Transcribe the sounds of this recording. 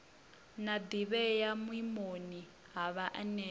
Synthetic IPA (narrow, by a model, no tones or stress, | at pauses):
nad̪iβɛjamwimoni | ɦaβaʔanɛ